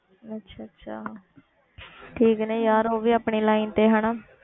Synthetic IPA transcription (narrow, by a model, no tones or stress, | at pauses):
ətːʃʰaːətːʃʰaː | ʈʰiːkneːjaːɾoːʋiːaːpɳeːlaːint̪eːɦaːnaː